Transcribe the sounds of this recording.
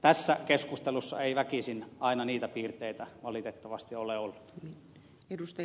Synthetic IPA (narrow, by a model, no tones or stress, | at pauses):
t̪æsːækeskust̪elusːɑ̰eiʋækisinɑˑinɑniːt̪æpiːrt̪eit̪æʋɑlit̪et̪ːɑʋɑst̪ioleolːu̥t̪i | edust̪ɑ